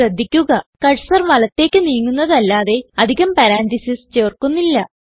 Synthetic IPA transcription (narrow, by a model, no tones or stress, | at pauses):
ɐd̪ʱːikʲːuɣɐkɐɻsɐrʋɐlɐt̪ːe̞ːkʲːɨniːŋːunːɐðɐlːaːðe̞ɐd̪ʱiɣɐmpɐɾaːntisist͡ɕeːrkunːilːɐ